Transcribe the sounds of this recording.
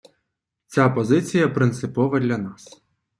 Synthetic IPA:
t͡sʲapɔzɪt͡sʲijɐpɾɪnt̪sɪpɔʋɐd̪ʲlʲɐnɑs

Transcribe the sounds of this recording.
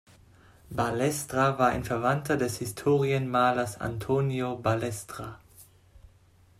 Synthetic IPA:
balɛstʁ̥avaːɐʔa̰ɪnfɛɐvantʰɐdɛshɪstʰoːʁiənmaːlɐsa̰ntʰoːnjobalɛstʁ̥a

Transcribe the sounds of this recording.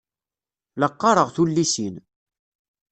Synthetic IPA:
ləqːɑɾˤəʁθulːisin

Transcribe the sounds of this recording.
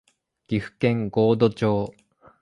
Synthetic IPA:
ɡ̥ʲiɸɯ̟̥kẽ̞ŋɡo̞ːd̪o̞t͡ɕoː

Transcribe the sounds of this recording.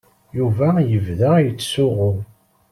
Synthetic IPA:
juvæjəvðæjət͡sːsʊʁʊ

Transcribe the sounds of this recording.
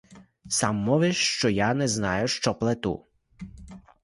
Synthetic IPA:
sɑmːɔʋɪʃt͡ʃɔjanɛznɑjʊʃt͡ʃɔplˠet̪ṵ

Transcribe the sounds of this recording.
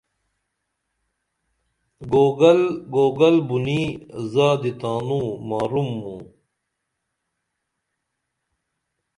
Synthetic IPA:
ɡoɡɐlɡoːɡɐlbunizaːd̪it̪aːnũːmaːɾumːũ

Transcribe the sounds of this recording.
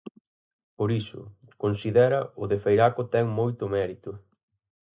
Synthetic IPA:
poɾisʊ̰ | konsiðɛɾɐʊðefejɾakʊt̪ɛŋmojt̪ʊmɛɾit̪ʊ

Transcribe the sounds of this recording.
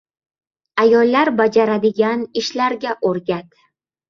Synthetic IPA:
ajɒlːaɾbad͡ʒaɾad̪ɪɡʲanɪʃlaɾɡʲaʔoɾɡʲat̪

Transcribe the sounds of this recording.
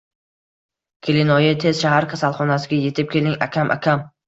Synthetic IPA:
kʲʰelɪnɒjɪt̪ʰe̞z̥ʃahaɾkʲʰasalˠχɒnasɪɡʲaje̞t̪ʰɪp̚kʲe̞lɪŋa̰kʲʰamʔa̰kʲʰam

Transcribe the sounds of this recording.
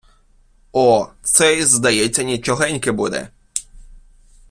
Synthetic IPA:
ɔt̪sɛjzd̪ɐjɛt͡sʲːɐnʲit͡ʃɔɦɛnʲkɪbud̪ɛ̰

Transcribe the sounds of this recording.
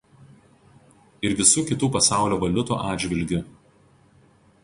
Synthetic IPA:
ɪɾʋʲɪsuːkʲɪt̪uːpɐsɑˑʊlʲoːʋɐlʲʊt̪ṵːʔɑːd̪ʲd͡ʒʲʋʲɪlʲɡʲʊ

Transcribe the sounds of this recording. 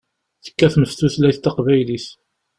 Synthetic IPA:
θə̥kːæθməft̪uθlæjθt̪ːɑqvæjliθ

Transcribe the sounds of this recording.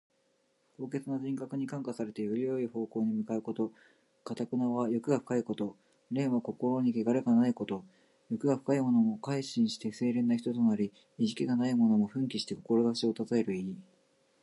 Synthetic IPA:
ko̞ːke̞t͡sɨnad͡ʑĩŋkakɯ̟ɲ̟ikãŋkasaɾe̞t̪ejoɾʲio̞iho̞ːko̞ːɲ̟imɯ̟kaɯ̟ko̞t̪o̞ | kat̪akɯ̟naβajo̞kɯ̟ɡaɸɯ̟̥kaiko̞t̪o̞ | ɾẽ̞ːɰ̃βako̞ko̞ɾo̞ɲ̟ikeɡaɾeɡanaiko̞t̪o̞ | jo̞kɯ̟ɡaɸɯ̟̥kaimo̞no̞mo̞kaiɕĩɰ̃ɕi̥t̪e̞se̞ːɾẽ̞nːaçi̥t̪o̞t̪onaɾʲi | iʑikʲiɡanaimo̞no̞mo̞ɸɯ̟̃ŋk̬ʲiɕi̥t̪e̞ko̞ko̞ɾo̞ɡakɕio̞t̪azae̞ɾɯ̟ei

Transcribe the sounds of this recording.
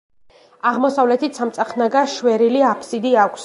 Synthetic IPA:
aʁmɔsavlɛt̪ʰit̪sʰamt̪sʼaχnaɡaʃwɛɾiliapʰsid̪iakʷʰs

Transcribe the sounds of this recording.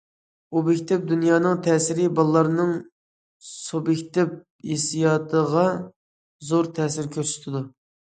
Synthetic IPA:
ubekʲt̪ɪp̚d̪unjɑːnɨŋt̪ʰɛːsɪɾɪbɑlˠːɑɾnɨŋ | sobekʲt̪ɪp̚ | ḛsijɑːt̪ʰəʁɑ | zoɾt̪ʰɛːsɪɾkʲʰøɾsy̥t̪ʰɪd̪u

